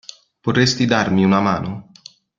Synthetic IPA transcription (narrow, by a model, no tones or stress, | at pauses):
pot̪est̪id̪armiunamaːno